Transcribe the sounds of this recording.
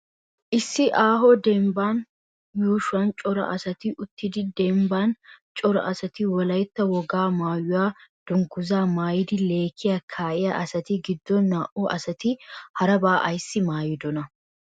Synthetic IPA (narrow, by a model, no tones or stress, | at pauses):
ʔɪsːɪʔaːɦɔd̪ɛmbaːn | juːʃɐnt͡ʃʼɔɾɐ̰ʔɐsɐt̪ɪʔʊt̪ːɪd̪ɪd̪ɛmbaːnt͡ʃʼɔɾɐ̰ʔɐsɐt̪ɪwɔlɐjt̪ːɐwɔɡaːmaːjʊwaːd̪̥ʊŋɡʊzaːmaːjɪd̪ɪle̞ːkʰːɪjɐkʰaːʔɪjɐʔɐsɐt̪ɪɡɪd̪ːɔnːaːʔɔʔɐsɐt̪ɪhɐɾɐbaːʔɐjsːɪmaːjɪd̪ɔnɐ